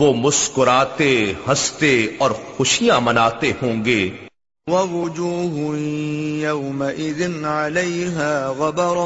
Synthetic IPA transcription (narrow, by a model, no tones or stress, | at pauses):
ʋoːmʊskʊɾaːt̪ehɐst̪eɔːɾxʊʃijãmɐnaːt̪ehõːŋɡeː | wɐwʊd͡ʒuːɦʊjɐwmaʔɪðɪnʕalɐjɦaːɣabɑɾˤ